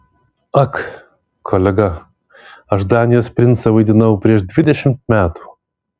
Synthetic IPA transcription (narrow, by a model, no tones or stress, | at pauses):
ɐk | kʰoːlʲɛɡɐ | ɐʃd̪ɑːnʲɪjoːspʲɾʲɪnt̪sɐʋɐɪd̪ʲɪnɐʊpʲɾʲiɛʃd̪ʲʋʲɪd̪ʲɛʃʲɪmt̪mʲæːt̪u̥ː